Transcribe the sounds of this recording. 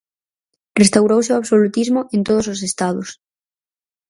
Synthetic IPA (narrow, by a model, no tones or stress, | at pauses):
rest̪awɾowseoaβsolut̪izmoʔent̪oð̞osos̬est̪að̞os